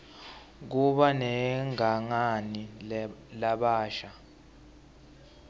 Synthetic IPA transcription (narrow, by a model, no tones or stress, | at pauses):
k̬uɓanɛŋaŋanilaɓaːʃa